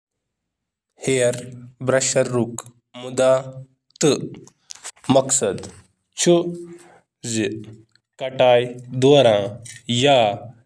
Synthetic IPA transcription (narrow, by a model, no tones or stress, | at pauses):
heːɾbɾɐʃɐɾːuk | mud̪a | t̪ɨ | mɐksɐd̪ | t͡ʃʰu | zi | kɐʈaːjd̪oːɾãja